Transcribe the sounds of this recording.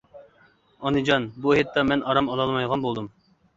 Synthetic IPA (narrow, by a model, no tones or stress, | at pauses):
ɑnɨd͡ʒɑnbuhet̪ːɑmɛnʔɑɾɑmɑlˠɑlˠmɑjʁɑnbolˠd̪um